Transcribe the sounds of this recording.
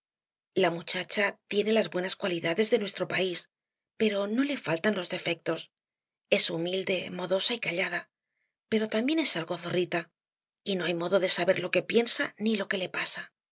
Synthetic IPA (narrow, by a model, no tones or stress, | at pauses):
lamut͡ʃat͡ʃat̪je̞ne̞lazβwe̞naskwaliðaðe̞zðe̞nwe̞st̪ɾo̞pais | pe̞ɾo̞no̞le̞falt̪anlo̞zðe̞fe̞k̚t̪o̞s | e̞sumild̪e̞mo̞ðo̞saikaʎað̞a | pe̞ɾo̞t̪ambje̞nesalɣo̞θo̞rit̪a | ino̞ajmo̞ðo̞ðe̞saβe̞ɾlo̞ke̞pje̞nsanilo̞ke̞le̞pasa